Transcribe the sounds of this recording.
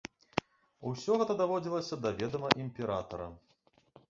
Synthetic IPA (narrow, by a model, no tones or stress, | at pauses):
usʲɔɣɛt̪ɐd̪avɔd͡zʲilˠɐsʲɐd̪avʲɛd̪ɐmɐʔimʲpʲɛɾat̪ɐɾɐ̰